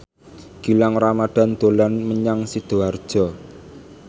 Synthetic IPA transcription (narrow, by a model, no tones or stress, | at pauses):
ɡ̥ilaŋramad̪̥a̤nd̪̥o̤lanməɲaŋsid̪̥o̤ard̥ʒ̥ɔ̤